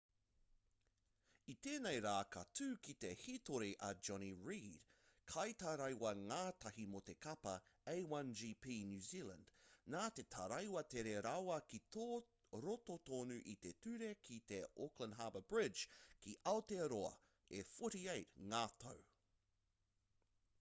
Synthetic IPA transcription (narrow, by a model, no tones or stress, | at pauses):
it̪eːnejɾaːkʰɐtʰʉːkit̪ehit̪oɾiʔɐd͡ʒɔniɹiːd̥kʰɐjt̪ɐɾɐjwɐŋaːt̪ɐɦimot̪e̞kʰɐpɐejwɐnd͡ʒiːpʰiːnjʉːziːlɐ̰̃nd̥naːt̪e̞t̪ʰɐɾɐjwɐt̪eɾeɾawɐkito | ɾot̪ot̪oːnʉʔit̪e̞t̪ʉɾe̞kʰit̪e̞oklə̃nɦaːbəb̥ɹɪd͡ʒkʰiʔɐot̪eɾoɐ̰ | efoɾiejt̚ŋaːt̪ʰo̰w